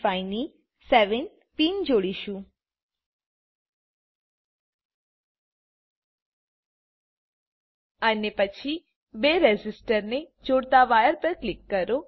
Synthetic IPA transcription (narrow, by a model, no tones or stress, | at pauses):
faɪni | sɛʋən | piːnd͡ʒoɽiʃũ | ənepət͡ʃʰi | beɾed͡ʒɪsʈəɾned͡ʒoɽt̪aʋajəɾpəɾklɪkːəɾo